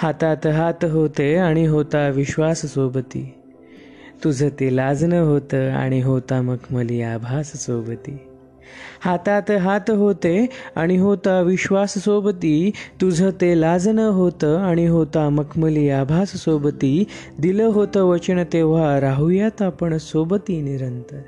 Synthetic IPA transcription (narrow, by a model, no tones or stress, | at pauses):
hat̪at̪ɦat̪ɦot̪eaɽ̃iɦot̪aʋiɕʋassobət̪ḭː | t̪ud͡zʱət̪elad͡znəɦot̪əːa̰ɽ̃iɦot̪aməkʰməliːabʱassobət̪iː | hat̪at̪ɦat̪ɦot̪ea̰ɽ̃iɦot̪aʋiɕʋasəsobət̪it̪ud͡zʱət̪elad͡znəɦot̪əaɽ̃iɦot̪aməkʰməliːabʱasəsobət̪iː | d̪iləɦot̪əʋət͡ɕənət̪eʋ̤aɾaɦujat̪apəɳsobət̪iːniɾənt̪ə